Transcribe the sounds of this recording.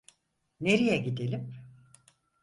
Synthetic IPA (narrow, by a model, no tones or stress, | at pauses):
neɾijɛɟid̪elʲim